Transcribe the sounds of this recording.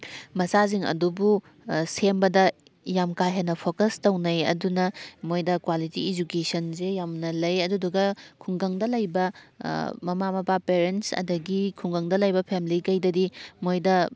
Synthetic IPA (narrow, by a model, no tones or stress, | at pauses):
mɐsaziŋɐ̰dubu | sembɐdɐ | jamkajɦenɐpʰokɐstɐwnɐjɐ̰dunɐmojdɐkwalitiid͡ʒukesɐnzejamnɐlɐjɐduduɡɐkʰuŋɡɐŋdɐlɐjbɐ | mɐmamɐpapeɾentsɐ̰dɐɡikʰuŋɡɐŋdɐlɐjbɐpʰemlikɐjdɐdimojdɐ